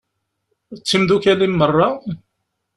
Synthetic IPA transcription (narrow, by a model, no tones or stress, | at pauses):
t͡sːimðukælimːərˤːɑ